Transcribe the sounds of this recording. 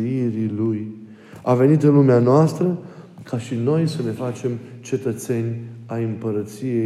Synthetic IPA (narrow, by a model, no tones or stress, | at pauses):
iɾiluj | ave̞nit̪ɨnlumeanoast̪ɾə | kʰaʃino̞jsəne̞fat͡ʃe̞mt͡ʃe̞t̪ət̪se̞nʲajɨmpəɾət̪sije